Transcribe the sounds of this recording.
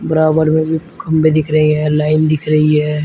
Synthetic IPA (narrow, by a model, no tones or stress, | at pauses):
bəɾaːbəɾmẽbʱikɐmbed̪ɪkʰɾɐɦiɦɛ̃laːɪnd̪ɪkʰɾɐɦiɦɛ̃ː